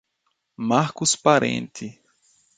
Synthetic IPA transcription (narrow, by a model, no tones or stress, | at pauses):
maɾkʊspaɾḛ̃nt̪ɪ